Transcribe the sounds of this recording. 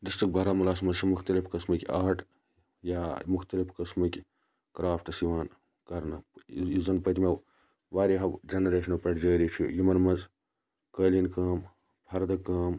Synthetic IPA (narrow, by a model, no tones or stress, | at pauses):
d̪ist̪uk̚bʱɐɾaːmɐlaːsmɐzt͡ʃʰimuxt̪ɐlifkɨsmɨkʲiaːʈ | jaːmʊxt̪ɐlipʰkɨsmɨkʲi | kɾaːpʰʈsiʋaːn | kɐɾnɐizɐnpɐt̪ʲme | ʋaːɾiɦɐʋd͡ʒenɐɾeːʃɐnɐpɐʈd͡ʒəːɾit͡ʃʰḭjumɐɾmɐz | kəːlinkɐːm | pʰɐɾd̪kɐːm